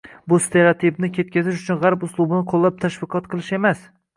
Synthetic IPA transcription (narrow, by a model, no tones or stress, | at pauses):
bʊst̪ʰe̞ɾat̪ʰibnɪkʲʰe̞t̪̚kʲazɪʃʊt͡ʃʰʊnʁaɾpʊslˠʊbɪnɪqʰolˠːap̚t̪ʰaʃvɪqʰɒt̪qʰɨlˠɪʃe̞mas